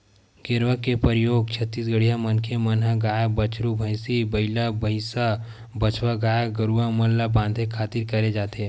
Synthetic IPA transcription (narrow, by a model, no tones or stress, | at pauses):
ɡɪɾʋəkepəɾɪjoːɡ̚t͡ʃʰət̪ːiːs̬ɡəɽijamɐnkʰemənɦaɡaːjabɐt͡ʃɾubʱəɪsibɐɪlabəɪsa | bɐt͡ʃʰwaɡaːjaɡəɾuamɐlːabãːnd̪ʱekʰaːt̪iɾkɐɾed͡ʒaːt̪eɦɛ̃